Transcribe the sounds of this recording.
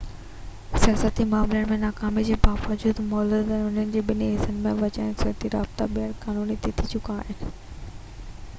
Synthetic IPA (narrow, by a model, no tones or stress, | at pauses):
sijaːsət̪imaːmlənɪmẽnaːkaːmid͡ʑeːbaːʋəd͡ʑuːd̪mɔːlud̪ɛ̃nʊn̤ənɪ̆d͡ʑeːɓɪniɦɪsənɪmẽʋɐt͡ɕaːɪnsɪt̪iɾa̰ːbt̪aɓiəɽkaːnuːnit̪ʰit̪ʰit͡ɕʊkaːɦɪnɪ̆